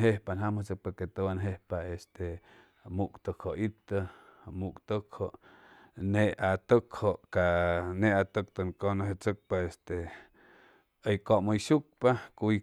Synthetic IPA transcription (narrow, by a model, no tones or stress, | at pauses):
ɦehpanɦamot͡sək̚paket̪owanɦehpaest̪e | mukt̪əkhoʔit̪əmukt̪əkhoʔ | neat̪əkhoʔkaneat̪ək̚t̪əŋkonaɦet͡sək̚paest̪e | əjkoʔməjʃuk̚pakuj